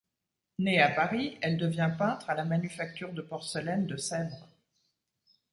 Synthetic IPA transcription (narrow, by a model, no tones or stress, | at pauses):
neapaʁiɛld̪əvjɛ̃pɛ̃t̪χalamanyfak̚t̪yʁd̪əpɔʁsəlɛnd̪əsɛbʁ